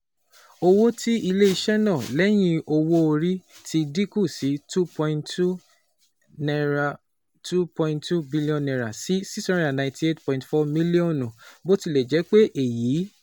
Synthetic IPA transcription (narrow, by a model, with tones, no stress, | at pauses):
o˧wo˦tʰi˦i˧le˦i˧ʃɛ˦nã˦˨lɛ˦j̃ĩ˧o˧wo˧o˧ɾi˦ti˦di˦ku˦˨si˨˦tu˦pɔ˧ĩ˧nu˦ | n˧˨ | tu˦pɔ̃˧ĩntu˦bi˦li˦ɔ̃˦nːɛ̃˨ɾa˨si˨˦si˦sã˦ɾa˨nã˨ĩ˨ti˨e˦tpɔ̃˨ĩ˨tfɔ˧mĩ˦li˦ɔ̃˦˨nũ˨bo˦ti˦˨lɛ˨d͡ʒɛ˨˦k͡pe˦ʔe˦˨jiː˨˦